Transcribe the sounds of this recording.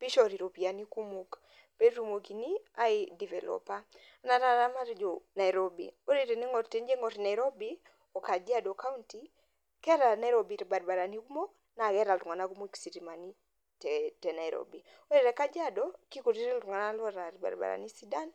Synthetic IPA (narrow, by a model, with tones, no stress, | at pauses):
pi˦ʃɔ˨ɾi˨ɾo˨pi˨a˨ni˦ku˦mo˨k | pe˦ɾu˦mo˨ki˨ni˦a˦idi˨vɛ˨lɔ̰pa˦ | a˦na˨ɾa˦ɾa˦ma˦ɾd͡ʒo˨na˨iɾo˦bḭ˨o˦ɾe˨ɾe˨ne˦ŋɔ˨ɾte˦nd͡ʒe˦ŋɔ˨ɾna˨i˨ɾɔ˦bi˦ | ɔ˨ka˨d͡ʒi˦a˦dɔ˨ka˦unti˦ | kɛ˦ɾa˨na˦iɾobi˨ɾba˨ɾba˨ɾa˨ni˦ku˦mo˦k | na˨ɡɛ˦ɾa˨ltu˨ŋa˨na˦ku˦mo˦i˦ksi˨ɾima˨ni˦ | tɛtɛ˨na˨iɾɔ̰bi˨ | o˦ɾe˨ɾɛ˨ka˦d͡ʒa˦dɔ˦ki˦ko˨ɾi˦ɾi˦ltu˨ŋa˨na˦lwɔ˦ɾa˨ɾba̰˨ɾba̰ɾa̰˨ni˦si˦da˦n